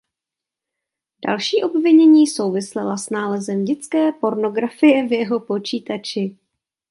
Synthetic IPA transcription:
d̥a̰lʃiːʔo̞bvɪɲɛɲiːso̞wvɪslɛlasnaːlɛzɛmɟɛt͡skɛːpo̞ɾno̞ɡɾafɪjɛvjɛɦo̞po̞t͡ʃiːt̪at͡ʃɪ

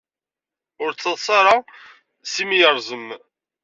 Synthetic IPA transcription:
ʊɾt͡sːɑðˤsˤɑɾˤɑ | simijəɾˤzəm

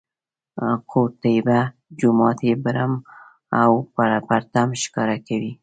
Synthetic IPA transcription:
kʰoɾt̪ajba | d͡ʒʊmɑt̪ebɾam | awpapaɾt̪amʃɪ̥kɑɾakawi

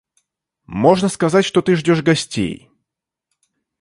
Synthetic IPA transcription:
mo̞ʐnəskɐzatʲʂt̪ot̪ɨʐdʲoʂɡɐsʲtʲḛj

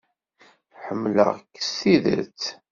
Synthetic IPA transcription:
ħəmːlə̰ʁkːə̥sːiðə̰ɾt͡s

